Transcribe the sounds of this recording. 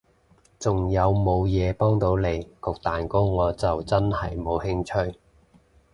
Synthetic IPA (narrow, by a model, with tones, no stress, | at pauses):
t͡sʊ˨ŋjɐ˨˧wmo˨˧wjɛː˨˧pɔː˥ŋt̪o˨˥wle˨˧jkʊ˨k̚t̪aː˨nkʊ˥wŋɔː˨˧t͡sɐ˨wt͡sɐ˥nhɐ˨jmo˨˧whɪ˥ŋt͡ʃʰɵ˥ɥ